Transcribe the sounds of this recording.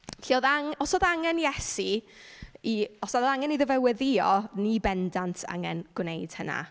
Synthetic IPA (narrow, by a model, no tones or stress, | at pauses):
ɬʰioðaŋɔsoːðaŋɛnjɛsi | iɔsaðaŋɛniðəvɛwɛðiɔnibɛndantʰa̰ŋɛ̰nɡ̥wnejd̥həna̰